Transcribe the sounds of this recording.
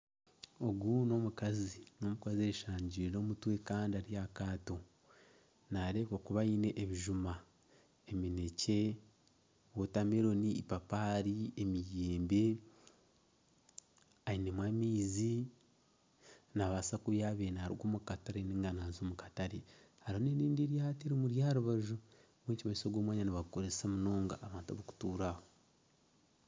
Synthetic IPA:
o̞ɡuno̞mukazino̞mukazieɾiʃaːɲɟiɾiɾo̞ːmutwe̞kaːndiaɾijakaːto | naɾeːkokuβaine̞ʔeβiʒuma | emine̞ce̞ | wotameɾo̞niːpapaɾiemijeːmbe̞ | ainemwaːmiːzi | naβasakuβjaβeːnaaɾḭɡwomukataɾeniŋɡanaːzoːmukataɾe | haɾhoneɾiːndeɾjateɾimuɾjaːɾuβaʒu | βwecimaisoɡwoːmwaːɲaniβaukoɾesamuno̞ːŋɡaʔːβaːntuβoku̥tuːɾaho

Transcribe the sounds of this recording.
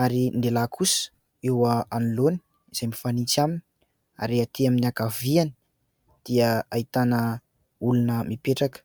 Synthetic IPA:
aɾind̪elakʰusə̥ | ewəaniloni̥ | iz̥ajmifanit͡samini | a̰ɾiat̪iaminiakaviani | d̪̥iəait̪anə | ulunəmipeʈ͡ʂakə̥

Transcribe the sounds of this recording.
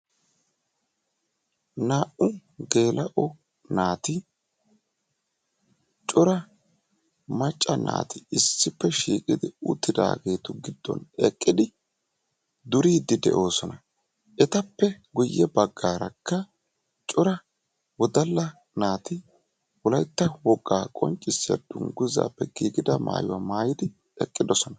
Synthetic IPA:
naːʔʊɡe̞ːlɐʔɔ | naːt̪ɪ | t͡ʃʼʊɾɐ | mɐt͡ʃʼːɐna̰ːt̪ɪɪsːɪpːɛʃḭːkʼɪd̪ɪʊ̰t̪ːɪd̪a̰ːɡe̞ːt̪ʊɡɪd̪̥ːɔ̰nɛkʼːɪd̪ɪ | d̪ʊɾiːd̪ɪd̪ɛ̰ʔo̞ːsɔnɐ | ʔɛt̪ɐpːɛɡʊjːɛbɐɡːaːɾɐkːɐ | t͡ʃʼʊɾɐ | wɔd̪ɐlːɐ | naːt̪ɪ | wɔlɐjt̪ːɐwɔkʼːaːkʼɔ̰nt͡ʃʼːɪsːɐ̰d̪̥ʊŋɡʊza̰ːpːɛɡ̥iːɡɪd̪ɐma̰ːjʊwa̰maːjɪd̪ɪ | ɛkʼːɪd̪ɔsɔnɐ

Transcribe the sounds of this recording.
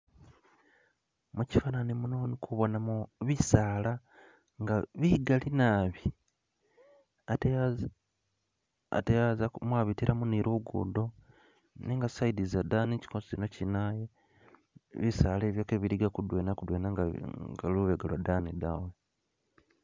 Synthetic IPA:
muci̥fananimunonikʰuβo̞namuβisaːla | ŋɡaβiɡalinaːβi | a̰tejazamwaːβitiɾʔamuniɾuɡṵːdo̞ | niŋɡasaidizadaːnici̥kosi̥cino̞cinaje | βisale̞ːβjokeβiɾiɡakudweːnakudweːnaŋŋɡaluβeɡalwadanidawe

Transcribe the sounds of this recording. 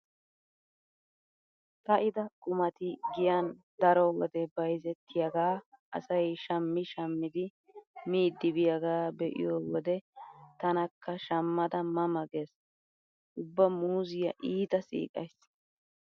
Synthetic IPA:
t̪ɐʔɪd̪ɐkʼʊmɐt̪ɪɡɪjand̪ɐɾɔwɔ̰d̪ɛbɐjzɛt̪ʰːɪjɐɡaːʔɐ̰sɐjʃɐmːɪʃɐmːɪd̪ɪ | miːd̪ːɪbɪjɐɡaːbɛʔɪ̰joːwɔd̪ɛt̪ɐnɐkʰːɐʃɐmːɐd̪ɐmɐmɐɡe̞ːs | ʔʊbːɐmuːzɪjɐʔiːt̪ɐsḭːkʼɐ̰js

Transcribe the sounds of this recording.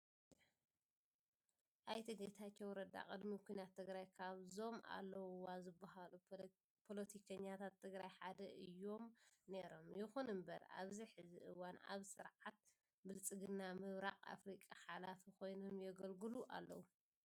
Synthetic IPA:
ʔajt̪ʰɨɡɐt̪ʰat͡ʃːɛwɾɐd̪a̰kʼɨd̪mikʰʷujnat̪ʰːɨɡɾajkʰaβzo̞ma̰lːɐwwazɨbːaɦalu | pʰolot̪ʰikʰɐɲːat̪ʰat̪ʰːɨɡɾajħad̪ɐʔɨjːo̞mne̞ɾo̞mjɪxunɨmbɐ̰ɾa̰βziħɨziʔɨwana̰βsɨ̰ɾʕat̪̚ | bɨlt͡sʼɨɡɨnːamɨβɾaqʼa̰fɾikʼaħalafikʰo̞jnomjɛɡɐlɡɨluʔa̰lːɐ̰wu

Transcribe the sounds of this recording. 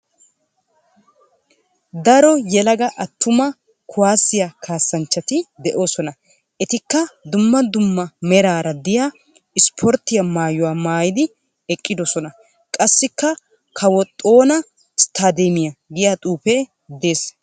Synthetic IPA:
d̪ɐɾɔjɛlɐɡɐʔɐt̪ːʊmɐ | kʰʊwaːsːɪjakʰaːsːɐnt͡ʃːɐt̪ɪd̪ɛʔo̞ːsɔnɐ | ʔɛt̪ɪkːɐd̪ʊmːɐd̪ʊmːɐmɛɾaːɾɐd̪ɪja | ɪspʰɔɾt̪ːɪjɐmaːjʊwaːmaːjɪd̪ɪ | ɛkʼːɪd̪ɔsɔnɐ | kʼɐsːɪkːɐ | kʰɐwɔt̪ʼːo̞ːnɐ | ɪst̪ʰaːd̪ɛmɪjɐɡɪjat̪ʼuːpɛ | d̪e̞ːs

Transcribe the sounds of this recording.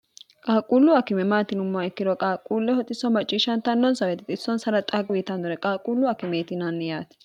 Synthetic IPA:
kʼaːkʼuːlːʊakɪmɛmaːt̪ɪnʊmːaɛkːɪd̪ɔkʼaːkʼːuːlːɛhɔt̪ʼːɪsɔmɐt͡ʃʼːiːʃɐnt̪ɐnːɔnsɐwɛt̪ɪt̪ʼɪsːɔnsɐɾɐt̪ʼaɡwit̪ɐnd̪ʊɾɛkʼaːkʼuːlːʊakɪmet̪ɪnɐnːɛjaːt̪ɪ̥

